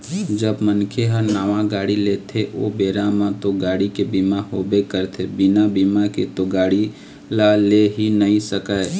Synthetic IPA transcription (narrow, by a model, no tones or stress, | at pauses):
d͡ʒəbmənkʰeɦəɾnaːʋãɡaːɽileːt̪ʰeʔobeːɾamãt̪oɡaːɽikebimaɦoːbekəɾt̪ʰebɪnabimaket̪oɡaːɽi | laleɦinəɦĩsəkae